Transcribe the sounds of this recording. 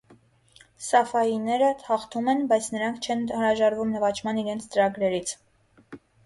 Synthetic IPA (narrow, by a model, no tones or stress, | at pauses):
sɑfɑjinɛɾəhɑχt̪ʰumɛnbɑjt͡sʰnəɾɑŋkʰt͡ʃʰɛnnɾɑʒɑɾvumnəvɑt͡ʃʰmɑniɾɛnt͡sʰt͡səɾɑɡɾɛɾit͡sʰ